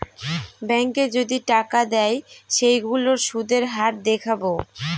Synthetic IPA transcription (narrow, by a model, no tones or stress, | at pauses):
bɛŋked͡ʑod̪iʈakad̪ɛjʃejɡuloɾʃud̪eɾɦaɾ̚d̪ekʰabo